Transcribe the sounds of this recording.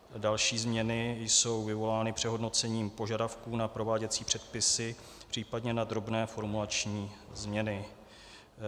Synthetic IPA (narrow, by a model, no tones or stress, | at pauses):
dalʃiːzmɲɛnɪjso̞wvɪvo̞laːnɪpr̥ɛɦodno̞t͡sɛɲiːmpo̞ʒadafkuːnapɾo̞vaːɟɛt͡siːpr̝̥ɛt̪pɪsɪ | pr̥iːpadɲɛnad̪ɾo̞bnɛːfo̞ɾmulat͡ʃɲiːzmɲɛnɪ